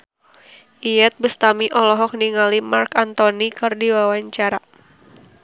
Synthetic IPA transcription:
ʔiɛt̪̚bəst̪amiʔɔlɔɦɔk̚niŋalimarkant̪ɔnikɨrdiwawaɲt͡ʃaɾa

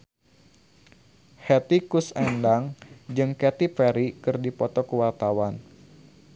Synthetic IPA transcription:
hɛt̪ikusɛndaŋd͡ʒɨŋkɛt̪ipɛɾikɨrdipɔt̪ɔkəwart̪awan

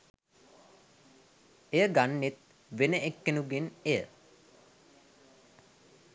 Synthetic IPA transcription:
ejəɡanːet̪ | ʋenəʔekːənuɡenejə̰

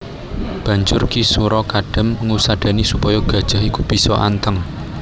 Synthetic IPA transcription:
b̥ä̤ɲd͡ʒʊrkisuɾɔkaɖ̥ə̤məŋusaɖ̥a̤nisupɔjɔɡ̥ä̤d̥ʒ̥a̤ɦikub̥i̤sɔʔa̰nt̪əŋ

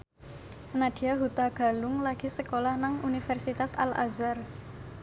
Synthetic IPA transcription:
nad̥iaɦut̪aɡ̥a̤lʊŋlaɡ̥i̤səkolahnaŋunifɛrsit̪asa̰la̰zar

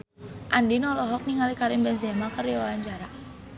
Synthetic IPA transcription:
ʔandinɔlɔɦɔk̚niŋalikaɾɪmbɛnzɛmakəriɔwaaɲd͡ʒaɾa

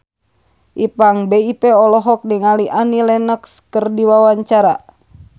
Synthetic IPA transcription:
ʔipaŋbeipɛɔlɔɦɔk̚niŋaliʔanilɛnəkskərdiwawaɲt͡ʃaɾa̰

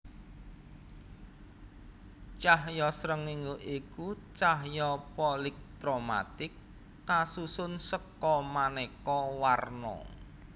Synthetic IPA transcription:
t͡ʃaɦjɔsɾəŋiŋuʔikut͡ʃaɦjɔpɔlɪk̚t̪ɾoma̰t̪ɪkː | asusʊnsəkːɔmanekɔwarnɔ̰

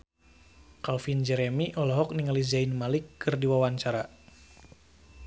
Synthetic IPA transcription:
kalfind͡ʒɛɾɛmiʔɔlɔɦɔk̚niŋalizainmalikːɨrdiwawaɲt͡ʃaɾa

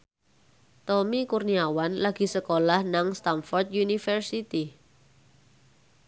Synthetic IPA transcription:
t̪ɔmikurniawanlaɡ̥i̤səkolahnaŋst̪anfɔrt̪̚junifərsit̪i

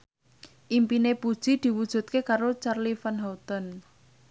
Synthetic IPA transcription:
ʔimpinepud̥ʒ̥id̪̥i̤wud̥ʒ̥ṳt̪̚kekaɾot͡ʃarlifanɦɔt̪ən

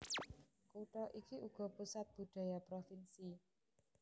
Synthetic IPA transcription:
koʈɔʔikiʔuɡ̥ɔ̤pusat̪̚b̥ṳɖ̪̥ä̤japɾofinsi

